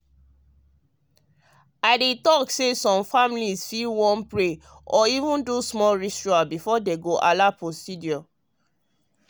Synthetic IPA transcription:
aɪdetɔksesɔ̃mfamilizfilwɔ̃npɹe | ɔivũndusmɔlɹistɹuabifɔdeɡoʔalapostidjɔ

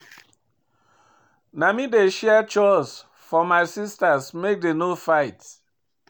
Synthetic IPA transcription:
namideʃɛət͡ʃɔɪs | fɔmaɪsistasmek̚denofaɪt

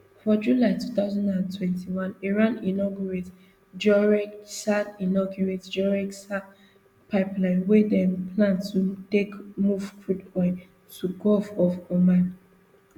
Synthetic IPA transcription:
fɔd͡ʒulaɪtut̪aʊzãndãntʰwɛ̃ntʰiwãniɹãninɔɡjuɹet | d͡ʒɔɹɛksadinɔɡjuɹetd͡ʒɔɹɛksa | pʰaɪplãɪ̃nwedɛ̃mpʰlãntutekmuvkudɔɪ | tuɡɔfɔvɔmãn

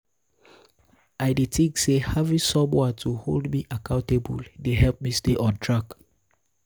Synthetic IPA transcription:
aɪdetʰĩŋksehavĩsɔmwɛtʰuholdmiʔakãʊ̃ntebuldeɦɛlp̚misteʔɔ̃ntʰɹak

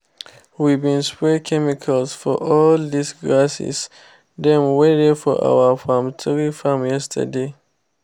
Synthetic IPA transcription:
wibĩnspɹɛkʰɛmikʰalsfɔ̰ʔɔldisɡɹasḭs | dɛ̃nwedɛfɔʔa̰wəfãmtʰɹifãmjɛstʰə̰de

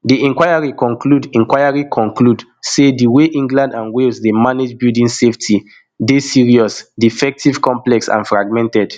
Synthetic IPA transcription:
diɛ̃ŋkwajaɹikɔ̃ŋkludĩŋkwajaɹikʰɔ̃ŋklud | sediweʔĩŋɡlãndãnwelsdemaned͡ʒbildĩnseftʰi | desiɹiɔsdifɛk̚tiv̥kɔ̃mplɛksã̰nfɹaɡ̚mɛ̃ntɛd̥

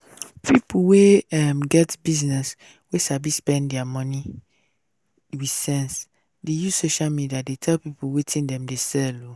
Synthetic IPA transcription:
pʰipuweamɡɛtbiznɛs | wesabispɛ̃nddɛamɔ̃ni | wisɛ̃ns | deju̥soʃalmidiadetʰɛlpipuwetʰĩndɛ̃mdesɛlo

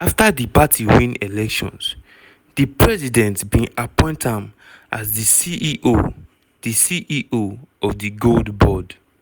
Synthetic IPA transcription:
aftadipatʰiwĩnelɛkʃɔ̰̃ns | dipɹɛzidɛ̃ntbĩnapɔ̃ɪ̃ntãm | ʔa̰zðisiʔo | disiʔiʔoɔvdiɡoldbɔd

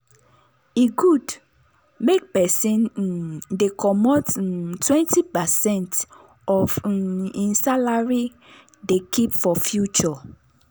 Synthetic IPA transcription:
iɡud | mek̚pɛsĩn | dekʰɔmɔttʰwɛ̃ntipɛsɛ̃nt | ɔvĩnsalaɹi | dekʰipfɔfjut͡ʃɔ

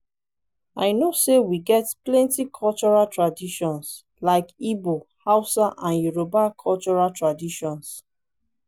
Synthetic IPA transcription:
aɪnosewiɡɛtplɛ̃ntikʰɔlt͡ʃɔɹaltɹadiʃɔ̃ns | laɪkibohaʊsaʔãnjuɹobakʰɔlt͡ʃɔɹaltɹadiʃɔ̃ns

